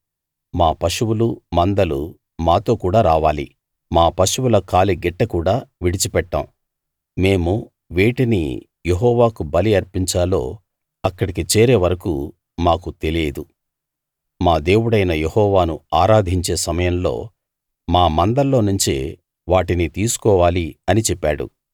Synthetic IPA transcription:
maːpɐʂuwulumɐnd̪ɐlṵ | maːt̪o̞ːkuːɽaːɾaːʋaːlḭ | maːpɐʃuwulɐkaːliɡɛʈːɐkuːɽaːʋiɽit͡ʃipɛʈːɐ̰m | me̞ːmu | ʋiːʈinḭ | je̞ɦɔːʋaːkubɐliɐɾpiɲt͡ʃaːlo̞̰ː | ɐkːɐɽikit͡ʃeːɾe̞ːʋɐɾɐkṵ | maːkut̪e̞leːd̪u | maːd̪e̞ːwuɽɐjnɐjehɔːʋaːnuaːɾaːd̪ʱiɲt͡ʃe̞ːsɐmɐjɐmlo̞̰ː | maːmɐnd̪ɐlːo̞ːnuɲt͡ʃḛ | ʋaːʈinit̪iːsu̥kɔːʋaːliɐnit͡ʃɛpːaːɽṵ

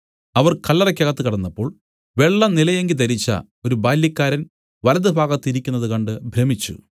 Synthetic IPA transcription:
ɐʋɐrkɐlːɐrɐkʲːɐɣɐt̪ːɨkiɽɐnːɐpːo̞ːɭ | ʋe̞ɭːɐnilɐjeŋɡilt̪ɐɾit͡ɕːɐ̰ | o̞ɾubaːljɐkːaːɾɐn | ʋɐlɐðɨbʱaːɡɐt̪ːiɾikʲːunːɐðɨkɐɳɖɨbʱremit͡ɕːṵ

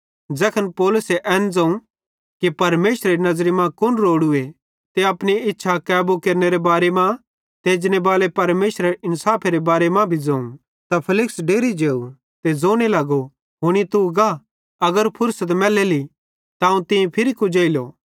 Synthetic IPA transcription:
d͡ʒɛːkʰənpoːlʊseʔɛːnd͡zɐ̃ũ | kipɐɾmeːsɾeɾinɐzɾimãkʊnɾoːɽʊe | t̪eɐpniɪtːʃʰakɛːbokeːɾneɾebaːɾemã | t̪eːd͡ʒnebaːlepɐɾmeːʃɾeɪnsaːpʰeɾebaːɾemãbʱid͡zɐ̃ːũ | t̪apʰɪlɪksɖeːɾid͡ʒeːu | t̪ed͡zoːɽ̃elɐɡo | ɦoɽ̃it̪uɡa | ɐɡəɾpʰʊɾsət̪mɛːleli | t̪aɐũt̪ɪ̃ĩpʰɪɾikud͡ʒeːɪloː

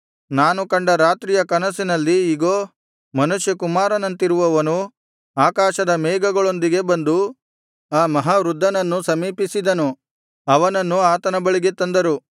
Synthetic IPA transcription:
naːnukɐɳɖɐɾaːt̪ɾiːjɐkɐnɐsinɐlːiːɡoː | mɐnuʃjɐkumaːɾɐnɐnt̪iɾuʋɐʋɐnu | aːkaːʃɐd̪ɐmɛːɡɐɡɐɭo̞nd̪iɡe̞bɐnd̪u | aːmɐɦaːɾud̪ʱːɐnɐnːusɐmiːpisid̪ɐnu | ɐʋɐnɐnːuaːt̪ɐnɐbɐɭiɡe̞t̪ɐnd̪ɐɾu

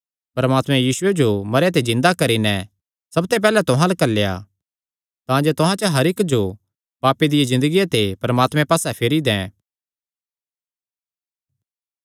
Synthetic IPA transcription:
pɐɾmaːt̪mɛ̃jiːsʊed͡ʒomɐɾjet̪̬ezɪ̃nd̪akɐɾinɛ | sɐbt̪ep̬ɛːlɛt̪ʊɦãlɐkɐlːeja̰ | t̪ãːd͡ʒet̪ʊɦãt͡ʃəɦɐɾɪkd͡ʒo | paːpːed̪ɪjezɪ̃nd̪əɡijat̪epɐɾəmaːt̪mɛ̃paːsɛpʰeɾid̪ɛ̃ː

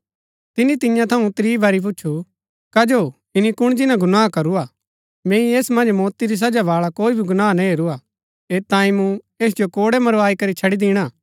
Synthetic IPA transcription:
t̪ɪnit̪ɪjãt̪ʰɐũt̪ɾiːbɐɾip̬ʊːt͡ʃʰu | kɐd͡ʒoː | ɪnikʊɽ̃d͡ʒɪnãɡʊnaːkɐɾuaː | mɛ̃ːĩeːsmɐ̃nd͡ʒmɔːt̪iɾis̬ɐd͡ʒaʋaːɭakoːibʱiɡʊnaːnãɦeːɾuaː | eːt̪ãːĩmũ | eːs̬d͡ʒokoːɽemɐɾʋaːikɐɾit͡ʃʰɐɽid̪iːɽ̃aː

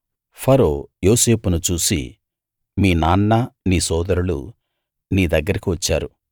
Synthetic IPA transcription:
pʰɐɾoːjo̞ːse̞ːpunut͡ʃuːsḭ | miːnaːnːaniːsɔːd̪ɐɾulṵ | niːd̪ɐɡːɐɾikiʋɐt͡ʃːaːɾu

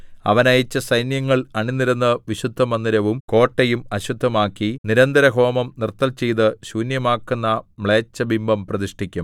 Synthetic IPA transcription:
ɐ̰ʋɐnɐjɐt͡ɕːɐsɐjnjɐŋːɐɭɐɳinːiɾɐnːɨʋiɕud̪ʱːɐmɐnːd̪iɾɐʋumko̞ːʈːɐjumɐɕud̪ʱːɐmaːkːiniɾɐnd̪ɐɾɐɡʱo̞ːmɐmnirt̪ːɐlt͡ɕejðɨɕuːnjɐmaːkːunːɐmɭe̞ːt͡ɕːɐbimbɐmprɐðiʂʈikʲːum

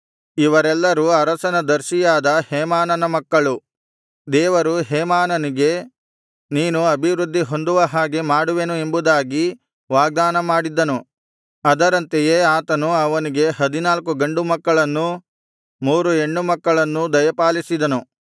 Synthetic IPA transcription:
iʋɐɾɛlːɐɾuɐɾɐsɐnɐd̪ɐɾʃijaːd̪ɐhɛːmaːnɐnɐmɐkːɐɭu | d̪ɛːʋɐɾuɦɛːmaːnɐniɡe̞ | niːnuɐbʱiʋɾud̪ʱːiɦo̞nd̪uʋɐɦaːɡemaːɽuʋe̞nue̞mbud̪aːɡi | ʋaːɡ̚d̪aːnɐmaːɽid̪ːɐnu | ɐd̪ɐɾɐnt̪ejeːaːt̪ɐnuɐʋɐniɡe̞ɦɐd̪inaːlkuɡɐɳɖumɐkːɐɭɐnːu | muːɾue̞ɳːumɐkːɐɭɐnːud̪ɐjɐpaːlisid̪ɐnu

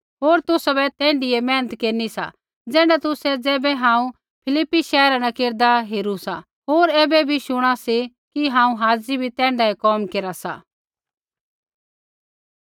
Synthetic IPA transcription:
ɦoːɾt̪ʊsabɛt̪ɛ̃ːɳɖɪɛmɛ̃ːnət̪keːɾnisa̰ | d͡zɛ̃ːɖat̪ʊsɛd͡zɛːbɛɦãːũ | pʰɪlɪpːiʃɛːɦɾanakeːɾd̪aɦeːɾusa | ɦoːɾɛːbɛbʱiʃʊɽ̃asi | kiɦãːũɦaːd͡zibʱit̪ɛ̃ːɳɖaekɔːmkeːɾasa̰

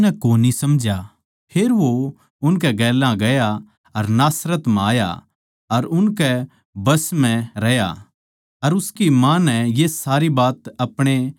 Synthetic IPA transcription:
nɛkoːnisɐmd͡ʒa | pʰeːɾʋo | ʊnkɛɡɛːlãɡɐja | ɐɾnaːsɾət̪maːja̰ | ɐɾʊnkɛ | bɐsmɛ̃ɾɐja̰ | ɐɾʊskimãnɛ̃jeːsaːɾibaːt̪ɐpɽ̃e

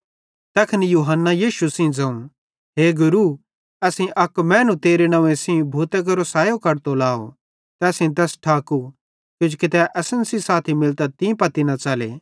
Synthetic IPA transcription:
t̪ɛːkʰɪnijuːɦənːajiːʃusĩd͡zɐ̃ũ | ɦeːɡʊɾu | ɛsĩʔɐkmɛ̃ːnũt̪eːɾenɐ̃ʋẽsĩbʱuːt̪ek̬ɐɾosaːjokɐɾt̪olaːo̰ | t̪ɛːsĩt̪̬ɛːsʈʰaːku | t̪ʊd͡ʒkɪt̪ɛʔɐsənsisaːt̪ʰimɪlt̪at̪ĩpɐt̪inɐt͡ʃaːlḛː

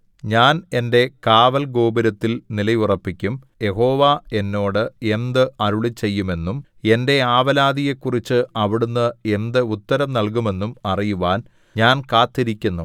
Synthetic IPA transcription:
ɲaːne̞nde̞kaːʋɐlɡo̞ːbɐɾɐt̪ːilnilɐjurɐpːikʲːum | je̞ho̞ːʋae̞nːo̞ːɽɨe̞nd̪ɨɐɾuɭit͡ɕːe̞jːume̞nːum | e̞nde̞aːʋɐlaːd̪ije̞kːurit͡ɕːɨɐʋiɽunːɨe̞nd̪ɨut̪ːɐɾɐmnɐlkume̞nːumɐrijuʋaːn | ɲaːnkaːt̪ːiɾikʲːunːu

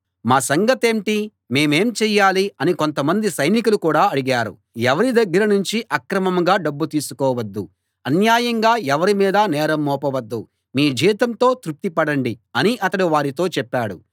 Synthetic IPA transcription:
maːsɐŋɡɐt̪e̞ːɳʈi | me̞ːme̞ːmt͡ʃɛːjaːliɐniko̞nt̪ɐmɐnd̪isɐjnikulukuːɽaːɐɽiɡaːɾṵ | ɛʋɐɾid̪ɐɡːɐɾɐnuɲt͡ʃiʔɐkɾɐmɐmɡaːɖɐbːut̪iːsu̥kɔːʋɐd̪ːu | ɐnjaːjɐŋɡaːɛʋɐɾimiːd̪ɐnɛːɾɐmːɔːpɐʋɐd̪ːu | miːd͡ʒiːt̪ɐnt̪o̞ːt̪ɾuk̚t̪ipɐɽɐɳɖiɐniʔɐt̪ɐɽiʋaːɾit̪o̞ːt͡ʃɛpːaːɽṵ

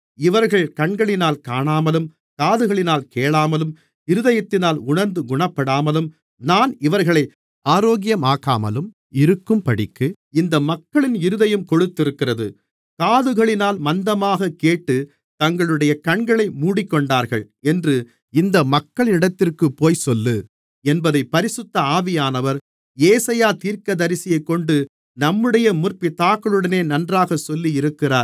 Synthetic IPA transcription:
ɪʋɐɾɣɐɭkɐɳɡɐɭɪnaːlkaːɳaːmɐlɯm | kaːðɯɣɐɭɪnaːlkeːɭaːmɐlɯm | ɪɾɯðɐjɐt̪ːɪnaːlʊɳɐɾnd̪ɯɡʊɳɐpːɐɽaːmɐlɯm | naːnɪʋɐɾɣɐɭɐɪ | aːɾoːɣɪjɐmaːka̰ːmɐ̰lɯm | ɪɾɯkːɯmpɐɽɪkːɯ | ɪnd̪ɐmɐkːɐɭɪnɪɾɯðɐjɯmkɔɽɯt̪ːɪɾɯkːɪrɐðɯ | kaːðɯɣɐɭɪnaːlmɐnd̪ɐmaːɣɐkeːʈːɯ | t̪ɐŋɡɐɭɯɽɐjɐkɐɳɡɐɭɐɪmuːɽɪkːɔɳɖaːɾɣɐɭ | ɛndrɯ | ɪnd̪ɐmɐkːɐɭɪnɪɽɐt̪ːɪrkɯpːoːjsɔlːɯ | ɛnbɐðɐɪpːɐɾɪsɯt̪ːɐaːʋɪjaːnɐʋɐɾ | eːsɐjaːt̪iːɾkɐðɐɾɪsɪjɐɪkːɔɳɖɯ | nɐmːɯɽɐjɐmʊrpit̪aːkːɐɭɯɽɐneːnɐndraːɣɐsɔlːijɪɾɯkːɪraːɾ

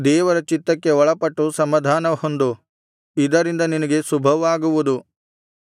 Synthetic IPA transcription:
d̪ɛːʋɐɾɐt͡ʃit̪ɾɐkːe̞ɔɭɐpɐʈːusɐmɐd̪ʱaːnɐhond̪u | id̪ɐɾind̪ɐninɐɡe̞subʱɐʋaːɡuʋud̪u

